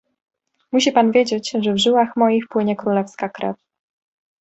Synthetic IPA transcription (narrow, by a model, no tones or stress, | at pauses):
muɕipanvʲjed͡ʑed͡ʑʐɛvʐɘwaxmɔjixpwɘɲɛkɾulɛfskakɾɛ̰f